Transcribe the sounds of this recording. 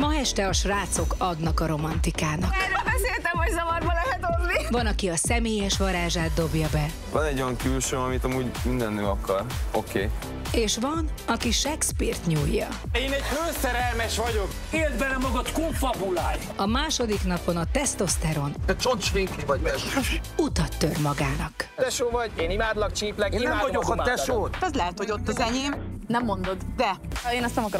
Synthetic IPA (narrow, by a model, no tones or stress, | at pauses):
mɒɦɛʃt̪ɛɒʃraːt̪so̞kɒd̪nɒkɒɾo̞mɒnt̪ikaːnɒkrøːlbɛseːlt̪ɛmɦoɟzɒvɒrbɒlɛɦɛt̪onnivɒnɒkiɒsɛmeːjɛʃʋɒɾaːʒaːd̪̚d̪ːo̞bjɒbɛ | vɒnɛɟːojɒŋkylʃøːɒmit̪ɒmuːɟmind̪ɛnøːɒkɒrokeː | eːʃʋɒnɒkiʃɛkspirt̪ɲujːɒ | eːnɛɟmøːsɛɾɛlmɛʃʋɒɟo̞k | eːɾd̪̚bɛlɛmɒɡɒt̪koɱfɒbulaːj | ɒmaːʃo̞d̪iknɒpo̞nɒt̪ɛst̪o̞st̪ɛɾo̞nɛt͡ʃont͡ʃvekivɒɟmɛʃɛʃut̪ɒt̪ːørmɒɡaːnɒkt̪ɛʃoːvɒɟeːnimaːd̪lɒk̚t͡ʃiːplɛkːnnɛmːvɟokɒɛʃoːt̪ɛzlɛɦɛt̪ho̞ɟo̞t̪ːɒzɛɲeːmnɛmːo̞nd̪o̞d̪d̪ɛeːnɛst̪ɛmɒkɾ